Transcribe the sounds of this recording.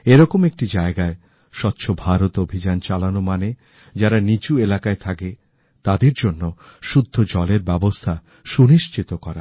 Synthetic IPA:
eɾɔkomek̚ʈid͡ʑaeɡae | ʃɔt̪ːɕʰobʱaɾot̪obʱid͡ʑant͡ɕalanomane | d͡ʑaɾanit͡ɕuelakaet̪ʰake | t̪ad̪eɾd͡ʑonːoʃud̪ʱːod͡ʑɔleɾbɛbost̪ʰa | ʃuniʃt͡ɕit̪okɔɾa̰

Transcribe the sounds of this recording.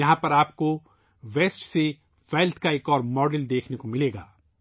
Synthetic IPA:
ɐɦãpɐɾaːp̚ko | ʋeːsʈse | ʋɛːlt̪ʰkaeːkɔːɾmɔːɖəld̪eːkʰnekomɪleːɡaː

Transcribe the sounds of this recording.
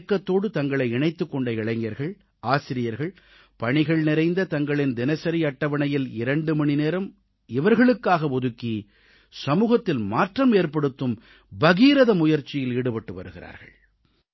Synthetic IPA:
kːɐt̪ːoːɽɯt̪ɐŋɡɐɭɐɪɪɳɐɪt̪ːɯkːɔɳɖɐɪɭɐɪŋɡɐɾɣɐɭ | aːsɪɾɪjɐɾɣɐɭ | pɐɳɪɣɐɭnɪɾɐɪnd̪ɐt̪ɐŋɡɐɭɪnd̪ɪnɐsɐɾiɐʈːɐʋɐɳɐjɪlɪɾɐɳɖɯmɐɳɪneːɾɐm | ɪʋɐɾɣɐɭɯkːaːɣɐɔðɯkːi | sɐmuːɣɐt̪ːɪlmaːʈrɐmeːɾpɐɽɯt̪ːɯm | bɐɣiːɾɐðɐmʊjɐɾt͡ʃːɪjɪliɽɯpɐʈːɯʋɐ̰ɾɯɣɪɾa̰ːɾɣɐ̰ɭ

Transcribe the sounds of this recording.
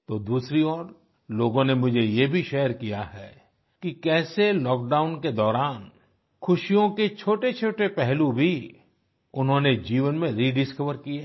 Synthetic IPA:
t̪oːd̪uːsɾiɔːɾ | loːɡõnemʊd͡ʒʱejebʱiʃɛːəɾkijaɦɛː | kikɛːselɔːk̚ɖaːʊnked̪ɔːɾaːn | xʰʊʃijõket͡ʃʰoːʈet͡ʃʰoːʈepɛɦlubʱi | ʊnɦõned͡ʒiːʋənmẽɾiɖɪskəʋəɾkie

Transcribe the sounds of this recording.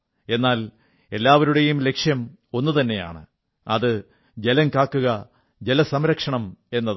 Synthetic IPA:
e̞nːaːl | e̞lːaːʋɐɾuɽe̞jumle̞kʂjɐm | o̞nːut̪ɐnːe̞ja̰ːɳɨ | ɐ̰ðɨ | d͡ʑe̞lɐŋkaːkːuɣɐ | d͡ʑe̞lɐsɐmɾɐkʂɐɳɐme̞nːɐð

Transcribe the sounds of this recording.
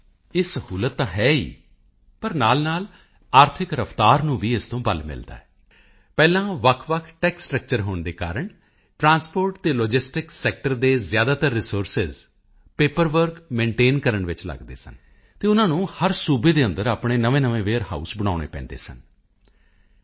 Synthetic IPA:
eːsəhuːlət̪ːãːɦɛːḭː | pəɾnaːlnaːl | aːɾt̪ʰɪkɾəfʰt̪aːɾnũːʋiːɪst̪õːbə̰lmɪ̰ld̪a̰ːɛː | pɛːlãːʋəkʰʋəkʰʈɛːksʈɾək̚t͡ʃəɾɦoːɳd̪eːka̰ːɾəɳ | ʈɾãːnspoːɾʈt̪eːloːd͡ʒɪsʈɪksɛːk̚ʈəɾd̪eːzjaːd̪aːt̪əɾːɪsoːɾsɪz | peːpəɾʋəɾkmẽːɳʈeːnkəɾəɳʋɪt͡ʃlə̰ɡd̪ḛːsə̰n | t̪eːʊnãːnũːhəɾsuːbeːd̪eːənd̪əɾaːpɳeːnəʋẽːnəʋẽːʋeːɾha̰ːṵsbəɽ̃a̰ːɽ̃ḛːpɛ̰̃ːnd̪ḛːsə̰n

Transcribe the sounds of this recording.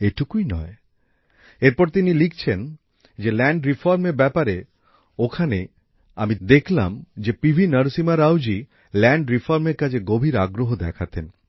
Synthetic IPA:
eʈukuinɔ̰e | eɾpɔɾt̪inilikʰt͡ɕʰen | d͡ʑelɛɳɖɾifʰɔɾmeɾbɛpaɾe | okʰane | a̰mid̪ekʰla̰md͡ʑepibʱinəɾsimaɾawd͡ʑi | lɛɳɖɾifʰɔɾmeɾkad͡ʑʰeɡobʱiɾaɡɾoɦod̪ɛkʰat̪en

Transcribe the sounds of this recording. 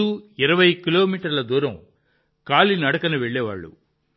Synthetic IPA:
uːiɾɐʋɐjkilo̞ːmiːʈɐɾlɐd̪uːɾɐ̃m | kaːlinɐɽɐkɐnuʋeɭːɛːʋa̰ːɭːṵ

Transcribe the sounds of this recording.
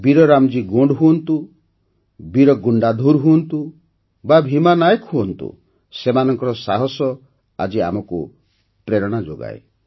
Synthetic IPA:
biɾɔɾamd͡ʒiɡoɳɖɦuɔnt̪u | biɾɔɡuɳɖad̪ʱuɾɦuɔnt̪u | babʱimanajɔkɦuɔnt̪ṵ | semanɔŋkɔɾɔsaɦɔsɔ | a̰d͡ʒia̰mɔku | pɾeɾɔɽ̃ad͡ʒoɡa̰ḛ

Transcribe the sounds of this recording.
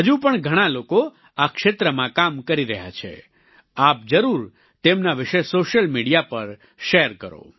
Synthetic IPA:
ɦəd͡ʒũpəɳɡʱəɽ̃aloko | akʃet̪ɾəmãkamkəɾiɾəɦja̰t͡ʃʰḛ | ap̚d͡ʒəɾuɾ | t̪emnaʋɪʃesoʃəlmiɽijapəɾ | ʃeɾkəɾo̰

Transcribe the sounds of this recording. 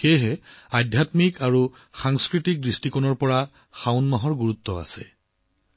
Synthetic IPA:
xejɦɛadʱjatmikaɹu | xaŋskɹitik̚distikɔnɔɹpɔɹa | xawnmaɦɔɹɡuɹutːɔa̰sɛ̰

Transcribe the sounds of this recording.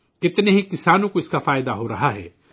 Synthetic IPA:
kɪt̪neɦikɪsaːnũkoɪskafaːjd̪aɦoɾɐɦaɦɛ̰ː

